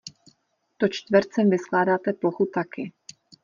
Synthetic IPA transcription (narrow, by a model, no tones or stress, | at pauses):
t̪ot͡ʃt̪vɾt͡sɛmvɪsklaːdaːt̪ɛploxut̪akɪ